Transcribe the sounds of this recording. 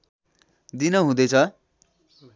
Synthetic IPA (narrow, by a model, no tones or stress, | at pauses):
d̪inʌɦũd̪ʌt͡sʰʌ